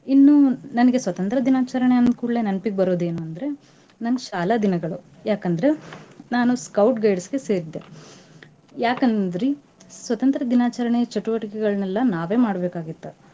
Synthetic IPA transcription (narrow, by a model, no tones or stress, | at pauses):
inːunɐnɐɡe̞sʋɐt̪ɐnt̪ɾɐd̪inaːt͡ʃɐɾɐɳeɐnd̪kuːɽɐle̞ːnɐnpiɡbɐɾo̞ːd̪e̞ːnuɐnd̪ɾe̞ | nɐnːɐʃaːlɐd̪inɐɡɐɭu | jaːkɐnd̪ɾe̞naːnuskɐwʈɡɐjɖsɡe̞se̞ːɾid̪ːe | jaːkɐnd̪ɾi | sʋɐt̪ɐnt̪ɾɐd̪inaːt͡ʃɐɾɐɳet͡ʃɐʈuʋɐʈikɛɡɐɭɐnɛlːɐnaːʋe̞ːmaːɽbeːkaːɡit̪ːɐ